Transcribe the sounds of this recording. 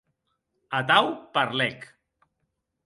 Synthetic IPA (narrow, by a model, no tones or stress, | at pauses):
at̪awpaɾlɛk